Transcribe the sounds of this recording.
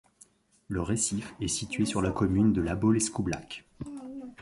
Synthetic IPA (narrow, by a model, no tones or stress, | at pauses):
ləʁesifɛsit̪ɥesyʁlakɔmynd̪əlabolɛskubla̰k